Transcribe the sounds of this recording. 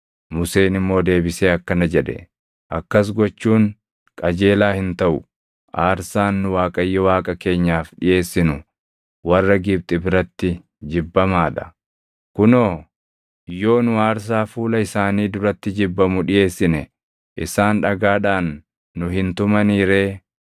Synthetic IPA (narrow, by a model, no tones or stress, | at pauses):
mʊse̞ːnɪmːo̞ːd̪e̞ːbɪseːɐkːɐnɐd͡ʒɛᶑɛ̰ | ʔɐkːɐs̬ɡɔt͡ʃːuːŋ | kʼɐd͡ʒe̞ːlaːhɪnt̪ɐʔʊ̰ | ʔaːɾsaːnːʊwaːkʼɐjːɛwaːkʼɐke̞ːɲːaːfᶑɪje̞ːsːɪnʊ | wɐrːɐɡɪb̚t̪ʼɪbɪɾɐt̪ːɪ | d͡ʒɪbːɐmaːᶑɐ̥ | kʊnoː | jo̞ːnʊaːɾs̬aːfuːlɐɪsaːniːd̪ʊɾɐt̪ːɪd͡ʒɪbːɐmʊᶑɪje̞ːsːɪnɛ | ʔɪ̰saːnᶑɐɡaːᶑaːnː | ʊɦɪnt̪ʊmɐniːɾe̞ː